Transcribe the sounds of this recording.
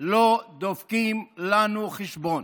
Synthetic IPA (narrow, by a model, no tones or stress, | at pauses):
lod̪ofkimlanuχeʃbon